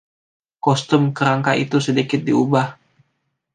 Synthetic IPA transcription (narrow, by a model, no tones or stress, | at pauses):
kɔst̪əmkəɾaŋkait̪usədikɪt̪̚diubah